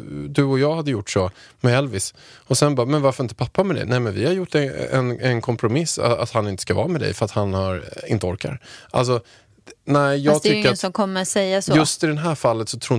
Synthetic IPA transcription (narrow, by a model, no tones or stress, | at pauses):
d̪ɵɔjɑːɡhad̪ːəjʊʈːʂɔmɛɛlvɪs | ɔsɛnbɑːmɛnvaɾfœɾɪnt̪ə̥pʰapːamɛd̪ɛ̰nɛɪmɛnvɪhaɾjʊʈːɛɛ̰nɛnkʰɔmpʰɾʊmɪsːa̰a̰t̪hanɪnt̪ə̥skavɑ̰ːɾamɛd̪ɛ̰jfœɾat̪hanhaɾɪ̰nt̪əɔɾka̰ɾʔa̰ls̬ɔ | næɪjɑːɡt̪ʏkːəɾaəsɔmkʰɔmːəɾat̪sɛjːasjɵst̪ɪd̪ɛnɦæːɾfalːət̪sɔt̪ʰɾuː